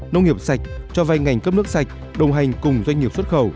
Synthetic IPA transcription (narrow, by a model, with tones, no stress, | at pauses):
nə˧wŋ͡mŋi˨˩əp̚sa˨˩jk̚t͡ɕɔ˧va˧jŋa˨˩jŋ̟kə˦˥p̚nɨ˦˥ək̚sa˨˩jk̟̚ | ɗə˨˩wŋ͡mɦa˨˩jŋ̟kʊ˨˩ŋ͡mzwa˧jŋ̟ŋi˨˩əpswə˦˥t̚xə˧˩w